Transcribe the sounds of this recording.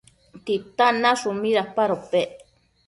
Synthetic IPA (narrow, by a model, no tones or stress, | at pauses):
t̪it̪anaʂumiɾahpaɾope